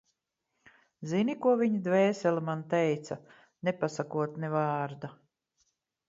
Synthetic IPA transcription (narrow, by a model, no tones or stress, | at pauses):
zinikuɔviɲid̪vɛːsɛlimant̪ɛjt̪sa | nepasakuɔt̪nɛvaːɾd̪a